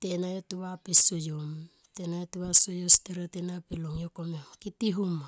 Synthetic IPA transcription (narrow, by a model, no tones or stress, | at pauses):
tenajotuβapisojom | tenajotuasojosteɾatenapeloŋjokomokitiɦuma